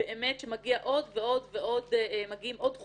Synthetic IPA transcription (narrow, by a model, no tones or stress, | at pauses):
eʔemetʃemaɡiaʔo̞dveo̞d̪veʔo̞d̪maɡiimʔo̞d̪χ